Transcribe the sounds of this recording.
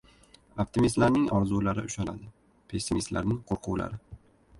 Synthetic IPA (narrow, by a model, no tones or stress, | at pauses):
op̚t̪ʰimist̪laɾnɪŋɒɾzulaɾɪ̰ʊʃana̰d̪ɪ | pʰe̞sːimist̪la̰ɾnɪŋqʰoɾqʰʊwla̰ɾɪ